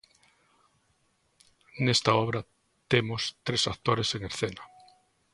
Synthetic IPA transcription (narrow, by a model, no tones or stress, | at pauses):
nest̪aɔβɾɐ | t̪emost̪ɾesakt̪oɾeseŋeɾθenɐ